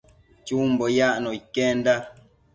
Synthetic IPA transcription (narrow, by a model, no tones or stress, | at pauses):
t͡ʃum̩bɔjaʔnɔikɛn̩da